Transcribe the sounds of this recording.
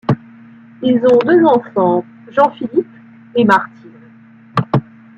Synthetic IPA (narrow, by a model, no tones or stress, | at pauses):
ilzɔ̃d̪øzɑ̃fɑ̃ | ʒɑ̃filip | emaʁt̪ʰin